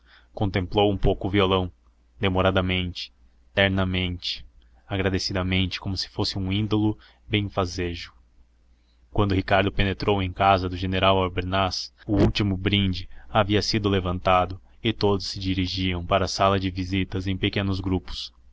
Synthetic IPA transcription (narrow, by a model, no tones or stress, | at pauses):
kõnt̪ẽmplowũpowkʊːviolɐ̃w̃ | d̪emoɾad̪ɐmẽnt͡ʃɪ̥ | t̪ɛɾnɐmẽnt͡ʃɪ̥ | aɡɾad̪esid̪ɐmẽnt͡ʃɪ̥komʊsɪ̥fosɪũĩnd̪olʊ | bẽj̃fazeʒʊ | kwɐ̃nd̪ʊhikaɾd̪ʊpenet̪ɾowẽj̃kazɐd̪ʊʒeneɾawaɾbeɾnasʊuwt͡ʃimʊbɾĩnd͡ʒɪaviɐsid̪ʊlevɐ̃nt̪ad̪ʊ | ɪt̪od̪ʊsːɪd͡ʒiɾiʒiɐ̃w̃paɾɐasalɐd͡ʒɪvizit̪ɐzẽj̃pekẽnʊzɡɾupʊ̥s